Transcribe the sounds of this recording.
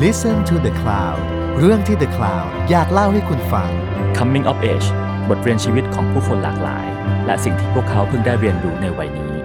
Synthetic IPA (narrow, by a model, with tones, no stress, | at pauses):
li˦˥sə˧nt̪ʰu˧d̪ə˧kʰlaː˧˩w | ɾɯ˥˩əŋt̪ʰiː˥˩d̪ə˧kʰlaː˧w | jaː˨˩k̚la˥˩wha˥˩jkʰu˧nfa˧ŋ | kʰa˧mːi˦˥ŋʔɔ˦˥p̚ʔeː˦˩t͡ɕ | bo˨˩t̪̚ɾi˧ənt͡ɕʰiː˧wi˦˥t̪̚kʰɔː˩˦ŋpʰuː˥˩kʰo˧nla̰ː˨˩k̚la̰ː˩˦j | lɛ̰˦˥si˨˩ŋt̪ʰiː˥˩pʰu˥˩əkʰːa˦˥wpʰɯ˥˩ŋdaː˥˩jɾi˧ənduː˨˩na˧jwa˨˩jniː˦˥